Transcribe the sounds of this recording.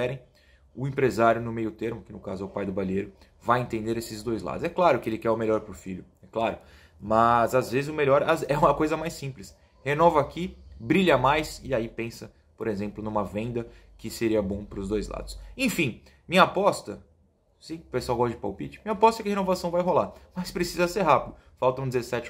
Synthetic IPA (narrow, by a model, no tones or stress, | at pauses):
ɛɾẽj̃ | ʊẽpɾezaɾjʊnʊmejʊt̪eɾmʊkɪnʊkazʊɛʊpajd̪ʊbaliejɾʊ | vajẽt̪ẽnd̪eɾesɪzd̪ojzla̰d̪ʊzɛklaɾʊkɪelɪkɛɾʊmeʎɔɾpɾʊfiʎʊ | ɛklaɾʊ | mɐzazvezɪzʊmeʎɔɾazɛumɐkojzɐmajsĩplɪs | henɔvɐakibɾiʎɐmajsɪaipẽsɐ | poɾezẽmplʊnũmɐvẽnd̪ɐ | kɪseɾiɐbõpɾʊzd̪ojzla̰d̪ʊsẽj̃fĩ | mĩɲapɔst̪ɐ | sĩpesʊawɡɔsd͡ʒɪpawpit͡ʃɪ̥mĩɲɐapɔst̪ɐɛkɪhenovasɐ̃w̃vajɦolamɐspɾesizɐseɾɦapid̪ʊ | fawt̪ɐ̃ũd͡ʒɪzesɛt͡ʃɪ